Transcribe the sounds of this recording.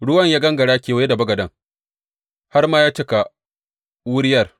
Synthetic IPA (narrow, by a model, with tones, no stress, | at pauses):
ɽʊ˦wɐ˦˨ɲjaː˦ɡɐ˦ŋɡɐ˨ɽaː˦kʲeː˨wa˦da˨bɐ˦ɡɐ˨dɐ˦ŋ | ha˦rmaː˦jaː˦t͡ʃɪ˦ka˨ | wʊ˦ɽɪ˦jɐ˦˨r